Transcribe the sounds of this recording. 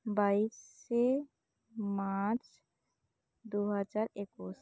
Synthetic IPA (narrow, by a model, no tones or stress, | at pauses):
baise | maɾt͡ʃ | d̪oɦəd͡ʒaɾekos